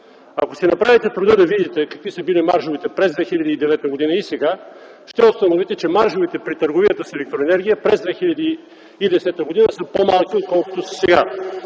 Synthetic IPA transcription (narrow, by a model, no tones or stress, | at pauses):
akosɛnɐpɾavit̪ɛt̪ɾud̪əd̪ɐvid̪it̪ɛkɐkvisəbilimaɾʃovit̪ɛpɾɛzd̪vɛxiʎʲɐd̪iːd̪ɛvɛt̪əɡod̪inəisɛɡa | ʃt̪ɛost̪ɐnovit̪ɛt͡ʃɛmaɾʒovit̪ɛpɾit̪əɾɡovijət̪əsɛlɛk̚t̪ɾoɛnɛɾɡʲijəpɾɛzd̪vɛxiʎʲɐd̪iː | d̪ɛsɛt̪əɡod̪inəsəpomalˠkʲiot̪̚kɔlˠko̥t̪ossɛɡa